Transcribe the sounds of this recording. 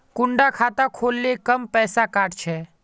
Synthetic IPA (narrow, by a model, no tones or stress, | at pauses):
kʊɳɖakʰaːt̪akʰoːlːekəmpɛːsakaːʈt͡ʃʰɛː